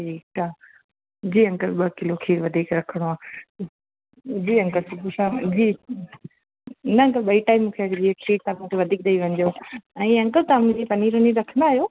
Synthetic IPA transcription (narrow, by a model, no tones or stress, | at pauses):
ʈiːkʈaː | d͡ʑiːɐ̃ŋkəlɓɐkɪlokʰiːɽʋɐd̪ʱiːkɾɐkʰəɽ̃oaː | d͡ʑiːɐ̃ŋkəlsʊpusãd͡ʑiː | ɪnəɐ̃ŋkəlɓɐiʈaːɪmːũːkʰeɐkd͡ʑiekʰiːɽt̪amũːkʰeʋɐd̪ʱiːk̚d̪ɐiʋɐ̃ɲd͡ʑoɛ̃ːɐ̃ŋkəlt̪amũd͡ʑipɐniɾoniɾɐkʰə̃nd̪aːɦjoː